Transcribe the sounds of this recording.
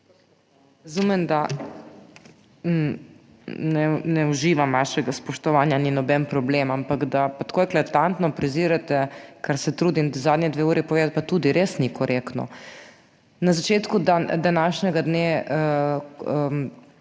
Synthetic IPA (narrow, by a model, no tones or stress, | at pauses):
ɾɐzumɛmd̪a | nɛnɛuʒiːʋamʋaːʃɛɡaspɔʃt̪ɔʋaːnjaninɔbɛnpɾɔbleːmampaɡd̪apat̪koːjklat̪ant̪nɔpɾɛziːɾat̪ɛkaɾsɛt̪ɾuːd̪imd̪azaːd̪nʲɛd̪ʋeːuːɾipoɔʋeːd̪at̪̚pat̪ud̪iɾesnikʰɔɾʔekt̪nɔ̰ | nazat͡ʃeːt̪kud̪ad̪anaʃɲɛɡad̪neːə